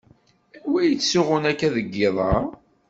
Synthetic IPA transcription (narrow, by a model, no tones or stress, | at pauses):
wæjət͡sːsːʊʁʊnækːæðəɡːeðˤɑ̰ɾ